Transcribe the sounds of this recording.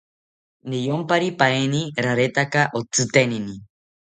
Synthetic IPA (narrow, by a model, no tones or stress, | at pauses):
nijompaɾipaeniɾaɾet̪akaʔot͡sɨt̪enini